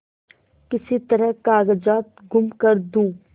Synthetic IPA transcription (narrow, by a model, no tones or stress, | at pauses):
kɪsit̪ɐɾəɦkaːɡəd͡ʒaːt̪̚ɡʱʊmkəɾd̪ũː